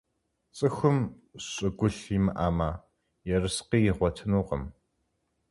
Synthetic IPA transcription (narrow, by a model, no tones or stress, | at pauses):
t͡sʼɨxʷʊm | ɕʼɪɡʷʊɬiːmɨ̰ʔaːmaː | jɛrɨsqiːjɪʁʷɔtʰɨnuːqə̰m